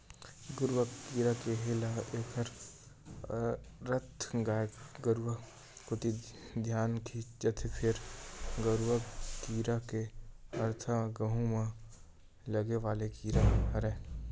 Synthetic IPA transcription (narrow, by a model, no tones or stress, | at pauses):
ɡʊɾwakiːɾakeɦɪlaeːkʰəɾ | ɾət̪ʰɡaɡəɾʋa | kʊt̪id̪ʱjaːnkʰid͡ʒət̪ʰepʰɪɾɡəɾwakiːɾakeɐɾt̪ʰəɡəɦũma | ləɡeʋaːlekiːɾaɾɛ